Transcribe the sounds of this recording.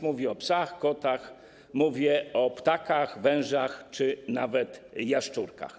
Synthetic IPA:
muvʲiɔpsaxkɔt̪ax | muvʲjɛɔpt̪akaxvɛ̃w̃ʐaxt͡ʂɘna̰vɛt̪ | jaʂt͡ʂuɾka̰x

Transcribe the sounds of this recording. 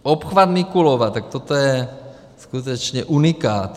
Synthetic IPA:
ʔopxvad̪mɪkulovat̪ːak̚t̪ot̪ojɛ | skut̪̬ɛt͡ʃɲɛʔunɪkaːt̪

